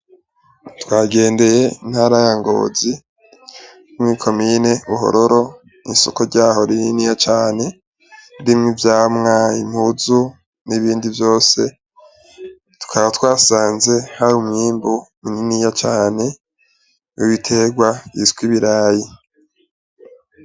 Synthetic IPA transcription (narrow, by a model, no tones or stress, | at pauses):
twaːɡe̞ːnde̞je̞inhaːɾajaŋɡo̞̰ːzi | umŋiːkʰo̞mine̞uɦo̰ɾo̞ɾo̞ | niso̰ko̞ɾɟaːɦo̞ɾininijat͡ʃaːne̞ | ɾimŋivjaːmŋaim̥huzu | niβiːndivjo̞ːse̞ | tu̥kʰaβatwaːsaːnze̞haɾumŋiːmbumininijat͡ʃaːne̞ | uβitʰe̞ɡwaḭskwiβiɾaːji